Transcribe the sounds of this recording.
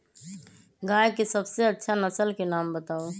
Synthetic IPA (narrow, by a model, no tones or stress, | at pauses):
ɡaːjkesəbseətːʃʰanəsəlkenaːmbət̪aːo